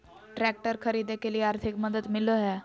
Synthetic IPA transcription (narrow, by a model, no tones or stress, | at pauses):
ʈɾæk̚ʈəɾkʰəɾiːd̪ekeliːaɾt̪ʰikməd̪ət̪miloɦɛ